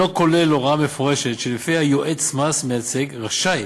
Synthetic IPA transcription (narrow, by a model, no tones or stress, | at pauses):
okoleloʁamefoʁeʃetʃelifihajoʔetsmasmejat͡seɡʁaʃaj